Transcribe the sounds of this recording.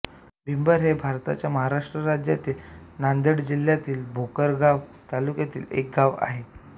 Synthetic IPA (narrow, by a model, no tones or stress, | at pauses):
bimbəɾɦebʱaɾt̪at͡ɕjaməɦaɾaʂʈɾəɾad͡ʑjat̪iːlnand̪əɽd͡ʑil̤jat̪iːlbʱokəɾɡaʋt̪alukjat̪ḭːlḛk̚ɡaʋa̰ɦe